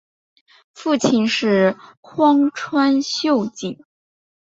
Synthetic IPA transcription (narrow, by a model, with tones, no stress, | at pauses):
fu˥˩t͡ɕʰi˥˧nʂɻ̩˥˩xwɑ˥ŋʈ͡ʂʰwa˥nɕjo˥˧ʊt͡ɕi˨˩˦